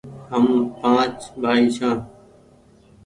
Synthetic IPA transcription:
ɦəmpãːt͡ʃɓaːiːsãː

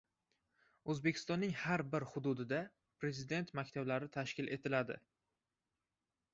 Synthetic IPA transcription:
ɵzbe̞kʲʰɪ̥st̪ɒnːɪŋhaɾbɪɾhʊd̪ʊd̪ɪd̪a | pʰɾe̞zɪd̪e̞nt̪makʲt̪ʰablaɾɪt̪ʰaʃkʲɪlʔe̞t̪ʰɪlad̪ɪ̰

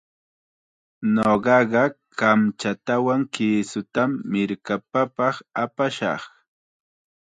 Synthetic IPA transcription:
noɢɑɢɑ | kamt͡ʃat̪awaŋkiːsʊt̪amːɪɾkapapɑχapaʃɑ̰χ

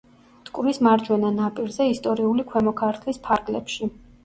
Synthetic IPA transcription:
t̪ʼkʼuɾismaɾd͡ʒwɛnanapʼiɾzɛist̪ʼɔɾiulikʰwɛmɔkʰaɾt̪ʰlispʰaɾɡʼlɛ̰pʃi

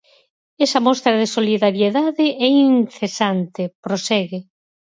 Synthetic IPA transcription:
ɛsɐmɔst̪ɾɐðesoliðaɾjeðaðɪʔɛinθesant̪epɾosɛɣɪ

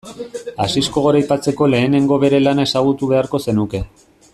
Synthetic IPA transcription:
a̰sisko̞ɣ̞o̞ɾajpat͡se̞ko̞le̞ːne̞ŋɡo̞βe̞ɾe̞lanae̞saɣ̞ut̪uβ̞e̞aɾko̞se̞nuke̞

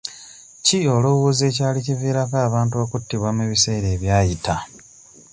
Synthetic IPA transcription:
cio̞luwuːze̞ːcaːliciviːɾakaːβaːntuo̞kutːiβwameβise̞ːɾe̞ːβjaːjita

